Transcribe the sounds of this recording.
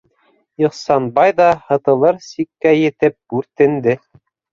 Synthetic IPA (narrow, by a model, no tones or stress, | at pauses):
oχsɑnbɑjðɑhɤ̆t̪ɤ̆lˠɤɾsikːæjɘ̆t̪ɘp̚ɡʉɾt̪ɘ̆nd̪ɘ